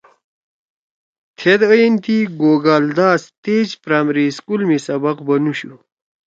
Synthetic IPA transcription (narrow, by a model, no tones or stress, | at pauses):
t̪ʰed̪əjint̪iɡoːɡaːld̪aːst̪eːd͡ʑpɾaːmɾiskulmisɐbɐqbɐnuɕu